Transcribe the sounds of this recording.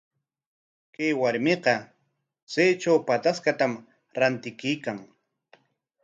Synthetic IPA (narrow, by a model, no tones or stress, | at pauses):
kajwaɾmeqɑ | t͡sajt͡ʃawpat̪askat̪am | ɾant̪ɪkɪjkaŋ